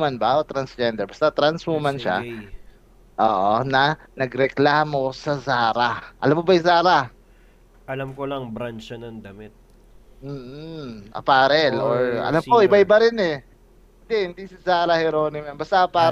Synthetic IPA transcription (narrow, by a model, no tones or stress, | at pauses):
manbaʔot̪ːɾɐnsd͡ʒɛnd̪ɛɹbɐst̪at̪ɾansmʊmanʃa̰ | ʔoːʔonɐnɐɡɾɛklaːmo̞sɐsaːɾaʔɐ̰lamːobɐjsaːɾa | ʔɐlamkolɐŋbɾant͡ʃɐnɐŋd̪ɐmɪt̪̚ | m̩ːʔɐ̰paːɾɛloɹʔɐ̰lamoʔɪbajbɐɾɪnɛ | hɪnd̪ɪhɪnd̪isɪsaːɾɐhɛɾoːnɪmɛmbɐst̪aʔɐpaː